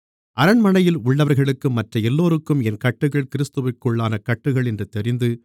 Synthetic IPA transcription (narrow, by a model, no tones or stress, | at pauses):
ʔɐɾɐɳmɐnɐjɪlʊɭːɐʋɐɾɣɐɭɯkːɯmːɐtrɐɛlːoːɾɯkːɯmɛnkɐʈːɯɣɐɭkɪɾɪst̪ɯʋɪkːɔɭːaːnɐkɐʈːɯɣɐɭɛndrɯt̪ɛɾɪnd̪ɯ